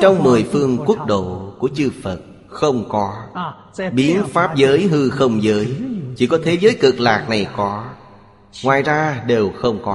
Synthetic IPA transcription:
t͡ɕɔ˧wŋ͡mmɨ˨˩əjfɨ˧əŋkwu˦˥k̚ɗo̰˧˨ku˧˩ət͡ɕɨ˧fə˨˩t̚ | xə˧wŋ͡mkɔ˨˦ | ɓi˨˦ənfaː˦˥p̚zəː˨˦jɦɨ˧xə˧wŋ͡mzəː˨˦jt͡ɕi˧˩kɔ˨˦t̪ʰe˨˦zəː˨˦jkɨ˨˩k̚laː˨˩k̚na˨˩jkɔ˨˦ | ŋwaː˨˩jzaː˧ɗe˨˩wxə˧wŋ͡mkɔ˨˦

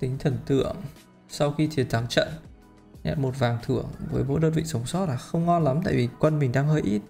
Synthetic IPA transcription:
t̪ï˨˦ŋ̟t̪ʰə˨˩nt̪ɨ̰˧˨əŋ | sa˧wxi˧t͡ɕ̪ʰi˨˦t̪ʰa˨˦ŋt͡ɕə̰˧˨n | ɲa̰˧˨nmo˨˩t̚vaː˨˩ŋt̪ʰɨ˧˩əŋvəː˨˦jmo̰˧˥jɗəː˧nvḭ˧˨sə˨˦wŋ͡msɔ˦˥t̚laː˨˩xə˧wŋ͡mŋɔ˧nla˨˦mt̪a̰ː˧˨jvi˨˩kwə˧nmï˨˩ŋ̟ɗaː˧ŋɦəː˧jʔi˦˥t̚

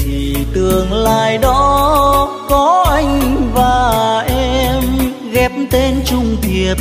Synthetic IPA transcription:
t̪ʰi˨˩t̪ɨ˨˩əŋlaː˧˩jɗɔ˨˦ | kɔ˨˦ʔa˧jŋ̟vaː˨˩ʔɛ˧m | ɣɛ˨˦˥p̚mt̪e˧nt͡ɕʊ˧ŋ͡mt̪i˨˩əp̚

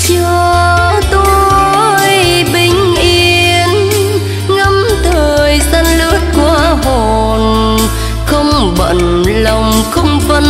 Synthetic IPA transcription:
t͡ɕɔ˧˩ | t̪o˧ | j | ɓï˨˩ŋ̟ʔi˧ən | ŋə˧˥mt̪ʰəː˨˩jsa˧nlɨ̰˧˦ət̚ku˧˩əho˨˩ | n | xə˧wŋ͡m | ɓə̰˧˨n | lə˨˩wŋ͡mxə˧wŋ͡mvə˧

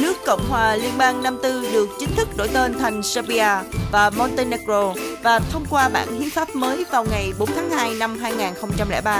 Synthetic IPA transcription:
nɨ˦˥əkːə̰˧˨wŋ͡mhwaː˨˩li˧ənɓaː˧ŋna˧mt̪ɨ˧ɗɨ˨˩ək̚t͡ɕï˨˦ŋ̟t̪ʰɨ˦˥k̚ɗo̰˧˩jt̪e˧nt̪ʰa˨˩jŋ̟sə˧ɓi˧aː˧vaː˨˩mɔ˧nt̪e˧ne˧kzo˧vaː˨˩t̪ʰə˧wŋ͡mkwaː˧ɓa̰ː˧˨nhḭ˧˦faː˦˥p̚məː˨˦jvaː˨˩wŋa˨˩jɓo˨˦nt̪ʰaː˨˦ŋhaː˧jna˧mɦaː˧jŋaː˨˩nxə˧wŋ͡mt͡ɕa˧mlɛ̰ː˧˩ɓaː˧

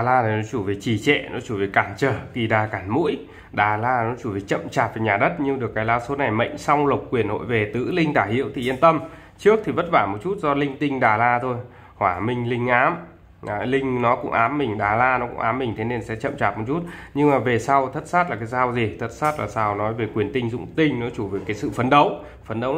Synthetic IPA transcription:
ɗa˨˩laː˧nʰi˨˩nɔ˨˦t͡ɕu˧˩ve˨˩t͡ɕi˧˩t͡ɕɛ̰˧˨nɔ˨˦t͡ɕu˧˩ve˨˩kaː˧˩nt͡ɕəː˨˩ki˨˩ɗaː˨˩kaː˧˩nmṵ˧˥əj | ɗaː˨˩laː˧nɔ˨˦t͡ɕu˧˩ve˨˩jt͡ɕə̰˧˨mt͡ɕaː˨˩t̚vaː˨˩ɲaː˨˩ɗə˦˥t̚ɲɨ˧ŋɗɨ˨˩əkːaː˨˦jlaː˧wso˨˦na˨˩jmə̰˧˨ŋ̟sa˧wŋ͡mlə˨˩wk͡p̚kːwi˨˩ənho̰˧˨jve˨˩t̪ɨ̰˧˥lï˧ŋ̟ɗ̪aː˧˩hḭ˧˨əwt̪ʰi˨˩ʔi˧ənt̪ə˧m | t͡ɕɨ˦˥ək̚t̪ʰi˨˩və˦˥t̚vaː˧˩mo˨˩t̚t͡ɕu˦˥t̚zɔ˧lï˧ŋ̟t̪ï˧ŋ̟ɗaː˨˩laː˧t̪ʰo˧j | hwaː˧˩mï˧ŋ̟lï˧ŋ̟ʔaː˨˦mː˨ | lï˧ŋ̟nɔ˨˦kʊ̰˧˥ŋ͡mʔaː˨˦mːï˨˩ŋ̟ɗaː˨˩laː˧nɔ˨˦kʊ̰˧˥ŋ͡mʔaː˨˦mːi˨˩ŋ̟t̪ʰe˨˦ne˧nsɛ̰˧˥t͡ɕə̰˧˨mt͡ɕaː˨˩t̚mo˨˩t͡ɕu˦˥t̚ɲɨ˧ŋmaː˨˩ve˨˩sa˧wt̪ʰə˦˥t̚saː˦˥t̚laː˨˩kaː˨˦jzaː˧wzi˨˩t̪ʰə˦˥t̚saː˦˥t̚la̰ː˨˩saː˧wnɔ˨˦jve˨˩kwi˨˩ənt̪ï˧ŋ̟zʊ̰˧˨ŋ͡mt̪ï˧ŋ̟nɔ˨˦t͡ɕu˧˩ve˨˩kaː˨˦jsɨ̰˧˨fə˨˦nɗə˨˦w | fə˨˦nɗə˨˦w

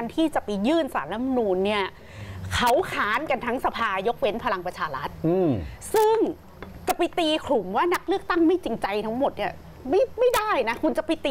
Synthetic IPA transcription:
nt̪ʰiː˥˩t͡ɕa˨˩pa˧jjɯː˥˩nsa̰ː˩˦na˦˥ma˧nuː˧nːi˥˩ɐ | kʰa˦˥wkʰaː˦˥nka˧nt̪ʰa˦˥ŋsa˧pʰaː˧jo˦˥k̚we˦˥npʰa˧la˧ŋpɾa˧t͡ɕʰaː˧ɾa˦˥t̪̚ːsɯ˥˩ŋ | t͡ɕa˨˩pjt̪iː˧kʰlu˨˩˦mwaː˥˩na˦˥k̚lɯ˥˩ək̚t̪a˥˩ŋma˥˩jt͡ɕi˧ŋt͡ɕa˧jt̪ʰa˦˥ŋmo˨˩t̪̚ni˥˩ | ma˥˩jma˥˩jda˥˩jna˦˥kʰu˧nt͡ɕa˨˩pa˧jt̪iː˧

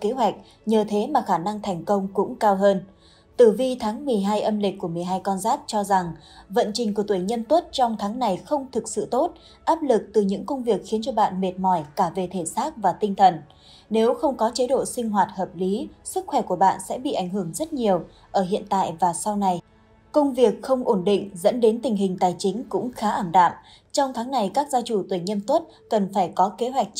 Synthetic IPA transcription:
ke˨˦ɦwa˨˩jk̟̚ | ɲəː˨˩t̪ʰe˨˦maː˨˩xaː˧˩na˧ŋt̪ʰɛ˨˩jŋ̟kə˧wŋ͡mkʊ̰˧˥ŋ͡mkaː˧wɦəː˧n | t̪ɨ˧˩vi˧t̪ʰaː˨˦ŋmɨ˨˩əjɦaː˧jʔə˧mlï˨˩k̟̚ʲku˧˩əmɨ˨˩əjɦaː˧jkɔ˧nzaː˦˥k̚t͡ɕɔ˧za˨˩ŋvə̰˧˨nt͡ɕï˨˩ŋ̟ku˧˩ət̪wi˧˩jɲə˧nt̪wə˦˥t̚t͡ɕɔ˧wŋ͡mt̪ʰaː˨˦ŋna˨˩jxə˧wŋ͡mt̪ʰɨ˨˩k̚sɨ̰˧˨t̪o˦˥t̚ | ʔaː˦˥p̚lɨ˨˩k̚t̪ɨ˨˩ɲɨ̰˧˥ŋkə˧wŋ͡mvi˨˩ək̚xi˨˦nt͡ɕɔ˧ɓa̰ː˧˨nme˨˩t̚mɔ˧˩jkaː˧˩ve˨˩t̪ʰe˧˩saː˦˥k̚vaː˨˩t̪ï˧ŋ̟t̪ʰə˨˩n | ne˨˦wxə˧wŋ͡mkɔ˨˦t͡ɕe˨˦ɗo̰˧˨sï˧ŋ̟ɦwaː˨˩t̚həː˨˩p̚li˨˦sɨ˦˥k̚xwɛ˧˩ku˧˩əɓa̰ː˧˨nsɛ̰˧˥ɓḭ˧˨ʔa˧˩jŋ̟hɨ˧˩əŋzə˦˥t̚ɲi˨˩əw | ʔəː˧˩hḭ˧˨ənt̪a̰ː˧˨jvaː˨˩sa˧wna˨˩j | kə˧wŋ͡mvi˨˩ək̚xə˧wŋ͡mʔo˧˩nɗḭ̈˧˨ŋ̟zə̰˧˥nɗe˨˦nt̪ï˨˩ŋ̟ɦï˨˩ŋ̟t̪aː˨˩jt͡ɕï˨˦ŋ̟kʊ̰˧˥ŋ͡mxaː˨˦ʔaː˧˩mɗa̰ː˧˨m | t͡ɕɔ˧wŋ͡mt̪ʰaː˨˦ŋna˨˩jkaː˦˥k̚zaː˧t͡ɕu˧˩t̪wi˧˩ɲə˧nt̪wt̚ | kə˨˩nfaː˧˩jkɔ˨˦ke˨˦ɦwa˨˩jk̟̚

